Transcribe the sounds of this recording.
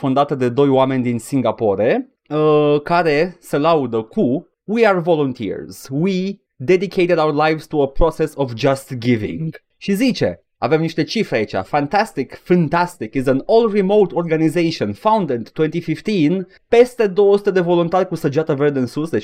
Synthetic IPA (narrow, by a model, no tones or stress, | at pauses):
fund̪at̪əd̪e̞d̪o̞jwame̞nʲd̪insiŋɡapo̞ɾe | əkaɾe̞selaud̪əku | wiarvo̞lont̪ʰḭɹz̥wi | d̪ed̪ikʰejt̪ed̪awəɾlajvz̥t̪uəpɾosesovd͡ʒast̪ɡivḭŋɡ | ʃizit͡ʃe̞̰ | a̰vemniʃt̪e̞t͡ʃifɾeait͡ʃa̰fant̪ast̪ikfant̪ast̪ikizənolrimowt̪orɡanizejʃionfawnd̪ent̪ːwent̪ifift̪in | pe̞st̪e̞d̪owosut̪e̞d̪e̞vo̞lunt̪arʲkusəd͡ʒat̪əverd̪ensusd̪e